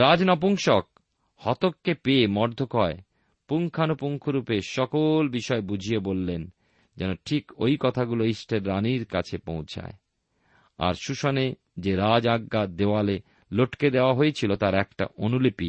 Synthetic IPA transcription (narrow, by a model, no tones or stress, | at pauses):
ɾad͡ʑnɔpuŋʃok̚ | hɔt̪okːepemɔɾd̪ʱːokɔe | puŋkʰanopuŋkʰoɾupeʃɔkolbiʃɔebud͡ʑʱijebolːen | d͡ʑɛnoʈʰikojkɔt̪ʰaɡuloisʈʰeɾːaniɾka̰t͡ɕʰepõwt͡ɕʰa̰e | a̰ɾʃuʃone | d͡ʑeɾad͡ʑaɡːad̪ewale | loʈked̪eoaɦojet͡ɕʰilot̪aɾɛkʈa̰ʔonulipi